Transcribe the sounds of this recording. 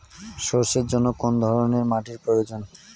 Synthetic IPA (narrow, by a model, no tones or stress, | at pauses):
ʃoɾʃeɾd͡ʑonːokond̪ʱɔɾoneɾmaʈiɾpɾojod͡ʑon